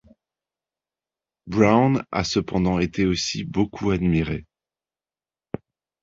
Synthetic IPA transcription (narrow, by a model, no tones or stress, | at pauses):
bʁawna̰səpɑ̃d̪ɑ̃et̪eosibokʰuad̪miʁe